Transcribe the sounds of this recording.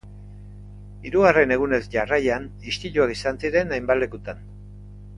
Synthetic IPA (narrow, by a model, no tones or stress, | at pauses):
iɾuɣare̞ne̞ɣ̞une̞zʝarajan | ist̪iʎuakisansiɾe̞najmbalekut̪an